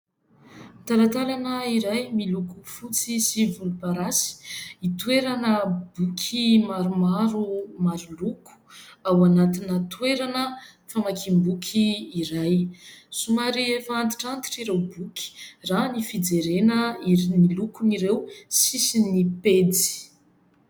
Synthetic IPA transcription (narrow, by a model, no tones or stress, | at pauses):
t̪alat̪alanəiɾajmilukufut͡sisivulupaɾasi̥it̪ueɾanəbukʰimaɾumaɾumaɾuluku̥awanat̪inət̪weɾanə | famakʰimbukʲʰiːɾajsumaɾiefant̪i̥ʈ͡ʂant̪i̥ʈ͡ʂiɾewbukʰʲi̥ranifid͡zeɾenəinilukuniɾewsisiniped͡zi̥